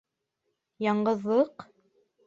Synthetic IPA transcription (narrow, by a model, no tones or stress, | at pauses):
jɑɴɢɤ̆ðːɤq